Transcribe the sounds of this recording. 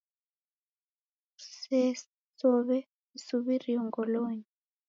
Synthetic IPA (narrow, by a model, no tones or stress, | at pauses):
sɛ | sɔβɛ | isuβiriɔŋɡɔlɔɲi